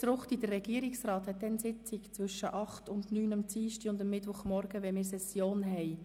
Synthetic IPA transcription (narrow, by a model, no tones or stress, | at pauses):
t͡sɾʊχtid̥̪ərːɛɡ̥iəɾiksɾɑːthɛt̪dɛnsɪt͡sɪkt͡sʋvʏʃəʔɑχtʊndnyːnɑmt͡siːʃtiʊndəmːɪtʋʊχmɔɾɡ̥əʋɛmɪːɾsɛsjoːnɦɛɪ